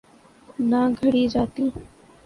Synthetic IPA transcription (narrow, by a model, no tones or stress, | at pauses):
naːɡʱəɽiːd͡ʒaːt̪iː